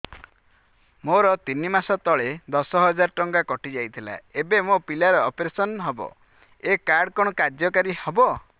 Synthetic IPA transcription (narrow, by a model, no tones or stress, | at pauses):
moɾɔt̪inimasɔt̪ɔɭed̪ɔsɔɦɔd͡ʒaɾɔʈɔŋɡakɔʈid͡ʒajt̪ʰila̰ebemopilaɾɔɔpɾesɔnɦɔbɔ̰ | ekaɾɖkɔɽ̃ɔkaɾd͡ʒjɔkaɾihɔbɔ